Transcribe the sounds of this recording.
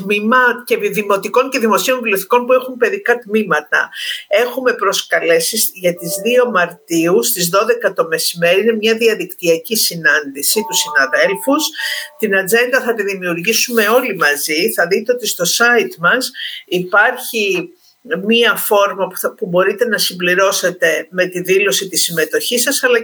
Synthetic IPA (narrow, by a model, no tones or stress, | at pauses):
t̪mimɐcepiðimo̞t̪iko̞ɲce̞ðimo̞sio̞ɱvlioθi̥ko̞npue̞xumpe̞ðikɐt̪mimɐt̪ɐ̰e̞xume̞pɾo̞skɐle̞sisʝɐt̪izðio̞mɐɾt̪iust̪izðo̞ðe̞kɐt̪o̞me̞sime̞ɾiine̞mɲɐðiɐðikt̪iɐcisinɐnd̪isit̪usinɐðe̞lfust̪inɐd͡ze̞nd̪ɐθɐt̪iðimiuɾʝisume̞o̞limɐziθɐðit̪e̞o̞t̪ist̪o̞sɐit̪mɐsipɐɾçi | miɐfo̞ɾmɐpubo̞ɾit̪e̞nɐsimbliɾo̞se̞t̪e̞me̞t̪iðilo̞sit̪isime̞t̪o̞çisɐsɐlɐ